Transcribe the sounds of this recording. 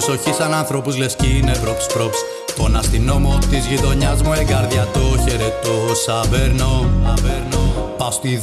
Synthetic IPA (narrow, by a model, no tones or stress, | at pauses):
so̞çisɐnɐnθɾo̞puzlesciːnepɾo̞pspɾo̞ps | t̪onɐst̪ino̞mot̪izʝit̪o̞ɲɐzmueɡɐɾðʝɐt̪oçeɾet̪osɐveɾnonɐveɾnopɐst̪i